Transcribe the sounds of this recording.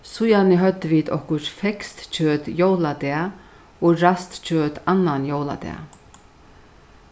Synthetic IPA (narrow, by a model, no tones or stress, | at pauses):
sʊjanɪɦœt̪ːviːt̪ɔ̰hkʊɾfɛkst̪t͡ʃøːt̪joːwlad̪ɛːa | ɔːɾast̪t͡ɕʰøːt̪anːanjowla̰d̪ɛ̰a̰